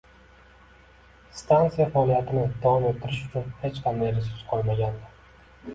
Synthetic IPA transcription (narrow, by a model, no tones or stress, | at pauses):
st̪ʰant̪sijafaːlijat̪ʰɪnɪd̪awɒmet̪ʰːɪɾɪʃʊt͡ʃʰʊnhe̞t͡ʃqʰɑnd̪ajɾesʊɾsqʰojˠmaɡʲand̪ɪ